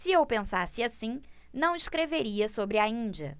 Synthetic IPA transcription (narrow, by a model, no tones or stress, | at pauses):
sɪewpẽsasɪasĩ | nɐ̃w̃iʃkɾeveɾiɐsobɾɪɐĩd͡ʒiɐ̰